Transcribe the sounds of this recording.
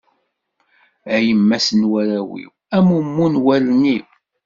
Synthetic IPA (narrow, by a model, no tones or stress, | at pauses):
æjəmːæsənwæɾæwḭw | æmumːunwælni